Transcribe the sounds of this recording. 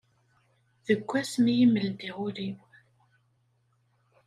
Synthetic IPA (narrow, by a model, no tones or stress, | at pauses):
ðəkʷːæsmijiməld̪iʁʊɾiw